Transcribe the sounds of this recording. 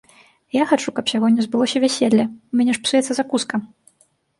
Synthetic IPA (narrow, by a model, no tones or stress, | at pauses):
jaxat͡ʂukɐpsʲaɣɔɛzbɨlˠɔsʲɐvʲæsʲelʲːɐumʲɛnʲɛʂpsujɛt̪sɐzakuskɐ